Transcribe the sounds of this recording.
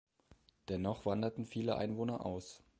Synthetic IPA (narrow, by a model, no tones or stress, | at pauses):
d̥ɛnɔχv̥andɐtn̩fiːləʔa̰ɪnvoːnɐʔa̰ʊs